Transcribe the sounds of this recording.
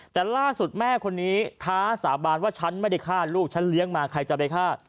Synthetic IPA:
t̪ɛː˨˩laː˥˩su˨˩t̪̚mɛː˥˩kʰo˧nːiː˦˥t̪ʰaː˦˥saː˩˦baː˧nwaː˥˩t͡ɕʰa˦˥nma˥˩jda˥˩jkʰaː˥˩t̪̚luː˥˩k̚t͡ɕʰa˦˥nli˦˥əŋmaː˧kʰa˧jt͡ɕa˨˩pa˧jkʰaː˥˩t̪̚

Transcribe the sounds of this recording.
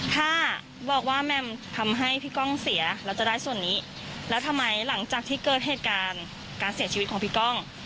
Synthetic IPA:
t̪ʰaː˥˩ | bɔː˨˩k̚waː˥˩mɛ˧˩mt̪ʰa˧mɦa˥˩jpʰiː˥˩kɔ˥˩ŋsi˩˦ɐlɛː˦˥wt͡ɕa˨˩daː˥˩jsu˨˩ənːiː˦˥ | lɛː˦˥wt̪ʰa˧mːa˧jla˩˦ŋt͡ɕaː˨˩k̚t̪ʰiː˥˩kɤː˨˩t̪̚ɦeː˨˩t̪̚kaː˧n | kaː˧nsi˨˩˦t͡ɕʰi˧˦t̚kʰɔː˩˦˧pʰiː˥˩kɔ˥˩ŋ

